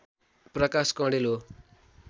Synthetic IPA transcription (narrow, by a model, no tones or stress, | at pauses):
prʌkaskʌ̃ɽelo